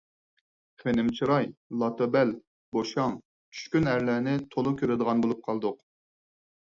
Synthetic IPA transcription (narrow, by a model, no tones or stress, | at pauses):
χenɪmt͡ʃʰiɾɑjlˠɑt̪ʰobɛl | boʃɑŋ | t͡ʃʲʰy̥ʃkʲynæɾlæːnɪt̪ʰolˠʊkʲʰøɾɪd̪əʁɑnbolˠup̚qʰɑlˠd̪ʊq